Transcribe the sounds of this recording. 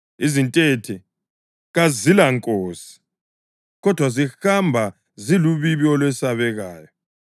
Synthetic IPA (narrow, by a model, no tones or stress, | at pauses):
izintʼetʰɛ | ɣazilaŋkʼoːsi̥ | ɣɔd̥ʱwazihambʱa | ziluβiβiɔlwɛsaβɛɣaːjɔ